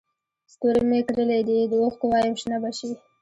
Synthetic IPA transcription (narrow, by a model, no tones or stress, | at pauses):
st̪oɾemekɾəled̪id̪əoxk̪əwɑjəmʃnabaʃi